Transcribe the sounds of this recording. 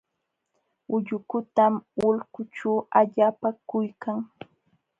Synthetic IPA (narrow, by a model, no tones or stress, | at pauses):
ʊʎʊkʊt̪amʊlkʊʈ͡ʂaːaʎaːpakʊjkaŋ